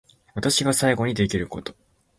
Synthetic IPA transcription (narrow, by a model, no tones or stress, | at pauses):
βat̪aɕiɡasaiɡo̞ɲ̟id̪e̞kʲiɾɯ̟ko̞̰t̪o